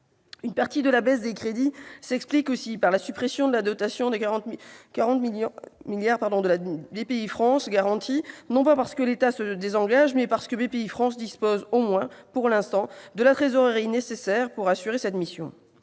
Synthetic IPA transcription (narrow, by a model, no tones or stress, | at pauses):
ynpaʁt̪id̪əlabɛs̬d̪ekχed̪isɛksplikosipaʁlasypχesjɔ̃d̪əlad̪ɔt̪asjɔ̃d̪ẽkaʁɑ̃t̪miljaʁpaʁd̪ɔ̃d̪əlabepeifχɑ̃sɡaʁɑ̃t̪ʰinɔ̃papaʁsə̥kəlet̪asəd̪ezɑ̃ɡaʒmɛpaʁsə̥kəbepeifχɑ̃sd̪ispozomwɛ̃puʁlɛ̃st̪ɑ̃d̪əlat̪χezɔʁʁinesesɛʁpuʁasyʁesɛt̪misjɔ̰̃